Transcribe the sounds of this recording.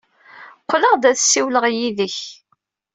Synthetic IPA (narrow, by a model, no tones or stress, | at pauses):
qʷːləʁd̪æθsːiwləʁjiðəç